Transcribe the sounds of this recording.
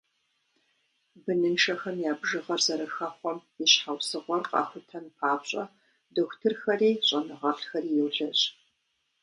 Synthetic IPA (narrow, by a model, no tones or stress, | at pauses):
bɨnɨnʃɐxɐmjaːbʒɨʁɐrzɐɾɐxɐχʷɔmiɕħawsɨʁʷɔrqʼɑ̰ːxʷʊtʰɐnpʰaːpɕʼɐ̰ | doxʷtʰɨrxɐriːɕʼɐnɨʁɐɬxɐriːjɛwɮɐɕʼ